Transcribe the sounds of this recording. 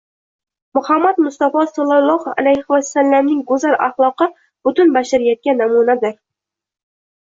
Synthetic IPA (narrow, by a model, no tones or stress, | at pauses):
mʊhamːad̪mʊst̪ɑfɒsɑlˠɑlˠːɑha̰lajhɪwasːalːamnɪŋɡʊzaɾa̰χlˠɒqɨ | b̥ʊt̪ʊnbaʃaɾjat̪̚kʲanːamunad̪ɪɾ